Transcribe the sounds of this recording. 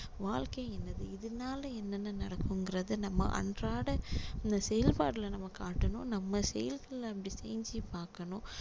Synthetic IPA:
ʋaːɭkɐjɛnːɐðɯɪðɯnaːlɐɛnːɐnːɯnɐɽɐkːɯŋɡɪɾɐðɯnɐmːɐ̰ʔɐ̰ɳdraːɽɐɪnd̪ɐsɛjɐlpaːɽɪlɐnɐmːɐkːaːʈːɐnʊ̃nɐmːɐsɛjɐlɣɐɭːɐpːɐɽisɛjɲd͡ʒipaːɾkɐnʊ̃

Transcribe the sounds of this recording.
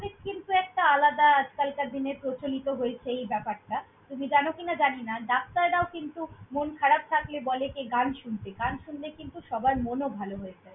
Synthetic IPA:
ɾitkint̪uɛk̚ʈaalad̪aad͡ʑkalkad̪ineɾpɾot͡ɕolit̪oɦoet͡ɕʰeejbɛpaɾʈa | t̪umid͡ʑanokinad͡ʑaninad̪ap̚t̪aeɾaokint̪umonkʰaɾab̚t̪ʰaklebɔlekeɡanʃunt̪eɡanʃunlekint̪uʃɔbaemonobʱaloɦoet͡ɕʰe

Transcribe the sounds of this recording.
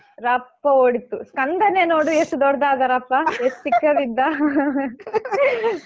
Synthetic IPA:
ɾɐpːɐoːɽit̪ːuskɐnd̪ɐnenoːɽuesud̪ɔɽɐd̪aːd̪ɐɾɐpːɐest̪ikːɐdind̪ɐ

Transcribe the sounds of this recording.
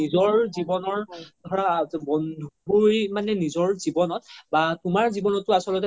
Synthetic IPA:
izɔɹzibɔnɔɹdʱɔɹabɔndʱubojmanɛnizɔɹzibɔnɔt̚batumaɹzibɔnɔtːʊasɔlɔtɛ

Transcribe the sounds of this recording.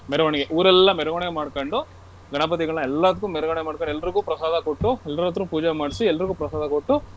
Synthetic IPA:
mɛɾɛʋɐɳɛɡeʔuːɾɛlːɐmɛɾɐʋɐɳɛɡemaːɽkoɳɖu | ɡɐnapɐt̪iɡɐɭɐnɐɛlːɐt̪̬kːumɛɾɐɣɐɳɛemaːɽkoɳɖɛlːɐɾiɡuːpɾɐsaːd̪ʱɐkoʈːuɛlːɐɾɐt̪ɾupuːd͡ʒemaːɽisiɛlːɐɾiɡuːpɾɐsaːd̪ɐkoʈːu

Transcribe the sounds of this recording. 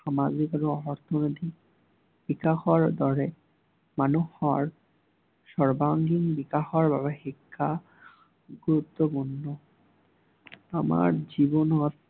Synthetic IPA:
ʃamad͡ʑikɾoɔɾt̪ʰonit̪i | b̥ikaxoaɾd̪ɔɾe | manoɔa̰ɾ | ʃɔɾbaŋɡiŋbikaxoaɾbabaɦikʰːa | ɡuɾut̪ːopuɾnːo | ama̰ɾd͡ʑibonɔt̪

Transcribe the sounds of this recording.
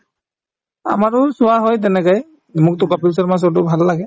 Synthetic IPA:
a̰maɹʊsʊwaɦɔjt̬ɛnɛkaj | mʊk̚tʊkapils̬ɔɹmas̬ɔt̬ʊbʱalːaɡɛ

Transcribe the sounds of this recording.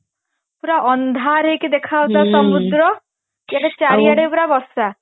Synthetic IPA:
puɾaʔɔnd̪ʱaɾekid̪ekʰawt̪asɔmud̪ɾɔ | keɽet͡ʃaɾijaɽepuɾabɔɾsa

